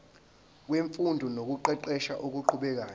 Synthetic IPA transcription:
k̬weɱfundʱɔnok̬uǃɛǃɛʃa̰ʔuk̬uǃʰuɓɛk̬aː

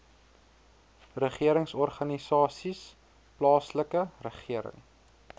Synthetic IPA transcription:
rəχiəɾəŋsɔrχɐnisɑːsis | plɑːsləkərəχiəɾə̰ŋ

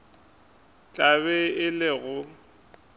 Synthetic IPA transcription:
t͡ɬʼabɛɪlɪɣʊ

